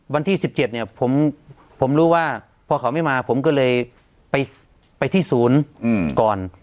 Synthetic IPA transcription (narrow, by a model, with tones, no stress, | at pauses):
wa˧nt̪ʰiː˥˩si˨˩p̚t͡ɕe˨˩t̪̚ni˧˩ɐpʰo˩˦m | pʰo˩˦mɾuː˦˥waː˥˩ | pʰɔː˧kʰa˨˩˦wma˥˩jmaː˧pʰo˩˦mkɔː˥˩lɤː˧j | pa˧j | pa˧jt̪ʰiː˥˩suː˨˩˦n˧kɔː˨˩n